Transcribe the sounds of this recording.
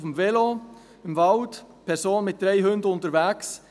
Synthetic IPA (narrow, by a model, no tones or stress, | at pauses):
fəmvɛlo | əmvɑlt | pʰɛɾsoːnmɪt̚d̥ɾeɪɦʏndəʊntəɾvæks